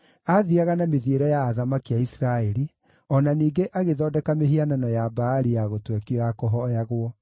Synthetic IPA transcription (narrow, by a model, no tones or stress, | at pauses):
aðiaɣanameðieɾɛjaːðamakiaisɾaɛɾi | ɔnaniːɡeʔaɣeðɔːdɛkameɦiananɔjabaːɾijaɣotwɛkiɔjakɔɦɔjaɣwɔ